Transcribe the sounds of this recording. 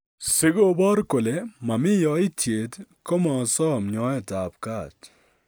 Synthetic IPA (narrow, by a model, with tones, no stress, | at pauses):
sɪ˦ɡo˨bɔ˦ɾko˨le˨mɐ˨mi˦jɔ˨i˦tʰe˨t̪ko˦ma˨sɔː˦mɲɔː˦je˦taː˨pkaː˦˨t